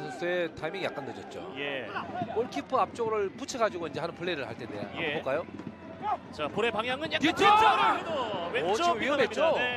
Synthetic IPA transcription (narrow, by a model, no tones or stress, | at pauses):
ʌs͈ʰetʰaimiŋija̰k͈antɯd͡ʑʌt̚t͡ɕ͈o̰jekoɭkʰipʰɯap̚t͡ɕ͈oɡɯɾɯɭp͈ut͡ɕʰeɡad͡ʑuɡoind͡ʑeanɯnpuɭːeɾɯɭha̰ɭt͈ʰedḛa̰a̰bok͈ajo | t͡ɕapoɾepaŋɦjaŋɯnet͡ɕ͈t͡ɕo | ɥiɦʌmɦet͡ɕ͈o